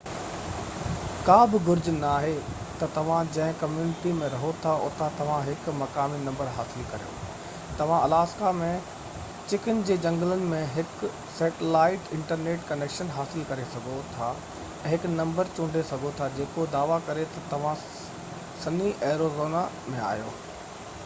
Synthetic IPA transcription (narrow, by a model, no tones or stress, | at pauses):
kaːbɪɡʊɾd͡ʑnaːɦe | t̪ɐt̪ɐʋ̤ãd͡ʑɐ̃ɦɪ̃kɐmjuːnɪʈimẽɾɐɦot̪ʰaʊ̰t̪ʰat̪ɐʋ̤ãɦɪkmɐkaːminɐ̃mbəɾɦaːsɪlkɐɾijo̰ː | t̪ɐʋ̤ãɐlaːskamẽ | t͡ɕɪkənɪ̆d͡ʑeːd͡ʑɐ̃ŋɡlənɪ̆mẽɦɪk | sɛːʈɪlaːɪʈɪ̃ɳʈəɾneːʈkɐneːkʃənɦaːsɪlkɐɾesɐɡʱot̪ʰã | ɦɪknɐ̃mbəɾt͡ɕʊ̃ːɳɖʱesɐɡʱot̪ʰad͡ʑeːkod̪aːʋakɐɾet̪ɐt̪ɐʋ̤ã | sɐniʔeːɾozoːna | mẽa̰ːjo̰ː